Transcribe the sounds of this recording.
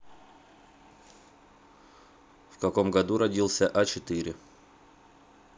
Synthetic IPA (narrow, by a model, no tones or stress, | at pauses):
fkɐko̞mɡɐd̪uɾɐdʲilˠsʲəʔɐt͡ɕɪt̪ɨɾʲɪ